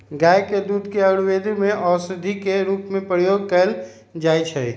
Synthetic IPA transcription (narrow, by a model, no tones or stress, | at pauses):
ɡaːjked̪uːd̪ʱkeəɽweːd̪imẽʔɔːsɪd̪ʱikeɾuːpmẽpɾjoːɡ̚kəl | d͡ʒaːjt͡ʃʰɛ